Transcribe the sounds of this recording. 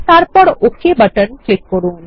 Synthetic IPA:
ʈaɾ̚pɔɽokːebɐʈənklɪkːɔɾuːn

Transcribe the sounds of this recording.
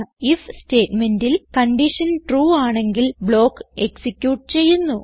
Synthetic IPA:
ifste̞ːtme̞ndilkɐɳɖiʂɐnʈruːaːɳe̞ŋɡilbɭo̞ːkːeksikʲːjuːʈːɨt͡ɕe̞jːunːu

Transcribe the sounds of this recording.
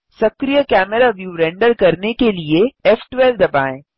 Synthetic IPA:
sɐkɾijəkɛːmɛɾaʋjuɾɛ̃ɳɖəɾkɐɾnekelieɛːfʈʋɛːlʋd̪ɐbaːẽː

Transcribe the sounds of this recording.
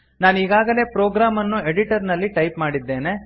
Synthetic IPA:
naːniːɡaːɡɐle̞ːpɾoːɡɾaːmɐnːue̞ɽiʈɐɾnɐlːiʈɐjpmaːɽid̪ːe̞ːne̞

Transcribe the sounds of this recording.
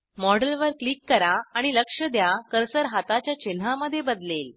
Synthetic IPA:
mɔɽəlʋəɾklikːəɾaːɽ̃iləkʂəd̪jakəɾsəɾɦat̪at͡ɕjat͡ɕen̤aməd̪ʱːjebəd̪lel

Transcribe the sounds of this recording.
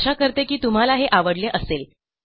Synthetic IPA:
ɕakəɾt̪ekiːt̪um̤alaɦeʔaʋəɽleʔəsel

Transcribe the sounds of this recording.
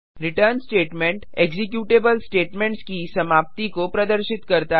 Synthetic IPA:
ɾɪʈəɾnsʈeːʈmẽɳʈeːɡzɪk̬juːʈeːbəlsʈeːʈmẽɳʈskisɐmaːp̚t̪ikopɾɐd̪əɾʃɪt̪kɐɾt̪a

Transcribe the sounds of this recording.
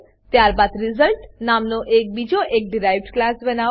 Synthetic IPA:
t̪jaɾbad̪ɾizəlʈnamnoʔek̚bid͡ʒoʔek̚ɖiɾajʋɖklasbɛna

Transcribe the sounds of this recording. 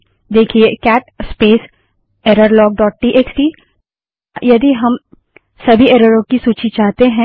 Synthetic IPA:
d̪eːkʰiekɛːʈspeːs | eːɾəɾlɔːɡ̚ɖɔːʈ̚ʈiʔeːksʈi | jɐd̪iɦɐm | sɐbʱieːɾəɾõkisuːt͡ʃit͡ʃaːɦt̪eɦɛ̃

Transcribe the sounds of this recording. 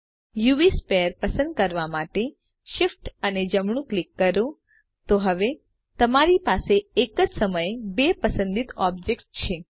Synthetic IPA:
juispeəɾpəsə̃nd̪̚kəɾʋamaʈe | ʃɪfʈəned͡ʒəmɳ̃ũklikːəɾõ | t̪oɦəʋe | t̪əmaɾipaseːkəd͡ʒsəməjbepəsə̃nd̪it̪ɔbd͡ʒekst͡ʃʰe

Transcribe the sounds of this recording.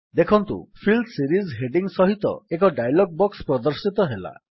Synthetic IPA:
d̪ekʰɔnt̪ṵpʰild̪siɾizɦeɖiŋsɔɦit̪ɔ̰ek̬ɔɖajlɔɡ̚bɔkspɾɔd̪ɔɾsit̪ɔɦela̰

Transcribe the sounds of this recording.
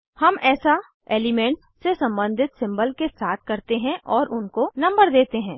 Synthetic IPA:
hɐmɛːsa | eːlɪmɛ̃ːɳʈs | sesɐ̃mbə̃nd̪ʱɪt̪sɪ̃mbəlkesaːt̪ʰkɐɾt̪eɦɛ̃ʔɔːɾʔʊnkonɐ̃mbəɾd̪eːt̪eɦɛ̃ː

